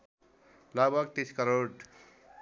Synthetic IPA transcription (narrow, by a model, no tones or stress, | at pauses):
labʱʌk̚t̪iskʌɾoɖ